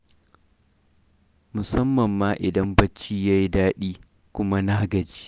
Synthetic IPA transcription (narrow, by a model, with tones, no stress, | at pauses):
mʊ˨sɐ˦mːɐ˨mːaː˦ʔɪ˨dɐ˦mbɐ˦t͡ʃːiː˦jaː˦ji˦daː˦ɗiː˦ | kʷʊ˦ma˦naː˦ɡɐ˨d͡ʒiː˦